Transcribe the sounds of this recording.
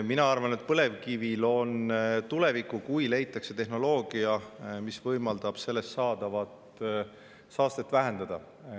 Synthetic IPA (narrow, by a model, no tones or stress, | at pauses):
minɑɑrvɑne̞t̪̚pɤle̞vkivilo̞nt̪ule̞vikːˑukujle̞jt̪ːˑɑkse̞t̪e̞ɦno̞lo̞ːɡ̥iɑmisvɤjmɑld̪̥ɑb̥se̞lːe̞st̪sɑːd̪̥ɑvɑt̪ | sɑːst̪et̪ːvæɦe̞nd̪̥ɑd̪ɑ